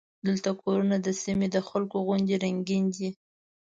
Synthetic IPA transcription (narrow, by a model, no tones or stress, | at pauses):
d̪əlt̪akoɾunad̪əsimed̪əxalkoɣʊnd̪eɾaŋɡind̪i